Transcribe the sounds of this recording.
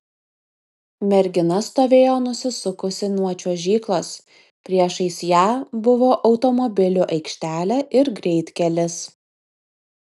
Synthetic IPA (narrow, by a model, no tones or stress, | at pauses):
mʲɛɾʲɡʲɪnɐst̪oːʋʲeːjoːnʊsʲɪsʊkʊsʲɪnuɔt͡ʃʲoːʒʲiːklˠoːs | pʲɾʲiɛʃɐɪsʲjæːbʊʋoːʔɒʊt̪ɔmɔbʲɪlʲuːʔɐɪkʃʲt̪ʲæːlʲæːʔɪɾɡɾʲɛɪt̪ʲkʲɛlʲɪs